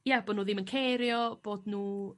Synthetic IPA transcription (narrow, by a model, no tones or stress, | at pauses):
jaboːdnuːðɪmənkʰeɾjɔb̥oːdnuː